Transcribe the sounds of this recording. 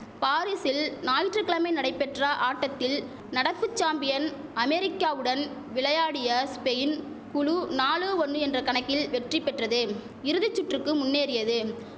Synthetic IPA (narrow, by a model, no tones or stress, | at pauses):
paːɾisɪlnaːjɪʈrɯkːɪɭɐmɐɪnɐɽɐɪpːɛʈrɐʔaːʈːɐt̪ːɪl | nɐɽɐpːɯt͡ʃːaːmbɪjɐn | ɐmɛɾɪkːaːʋɯɽɐn | ʋɪlɐjaːɽɪjɐspɛjɪn | kʊɻunaːɭɯʋɔnɖɯɛndrɐkɐɳɐkːɪlʋɛʈripːɛʈrɐðɯ | ɪɾɯðɪt͡ʃːʊʈrɯkːɯmʊnːeːɾɪjɐðɯ